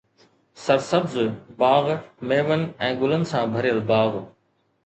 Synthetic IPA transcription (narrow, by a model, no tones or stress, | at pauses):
sɐɾsəbzbaːɣmeːʋənɪ̆ɛ̃ːɡʊlənɪ̆sãːbʱəɾɪjəlbaːɣ